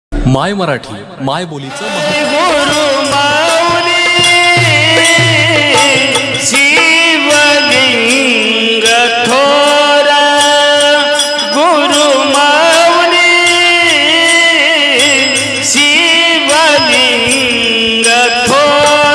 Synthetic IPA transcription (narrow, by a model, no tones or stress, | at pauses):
majməɾaʈʰḭ | majbolit͡sɡuɾumawni | siʋali | ŋ | ɡə | t̪ʰo | ɾa | ɡuɾu | mawni | si | ʋa | li | ŋ | ɡə | t̪ʰo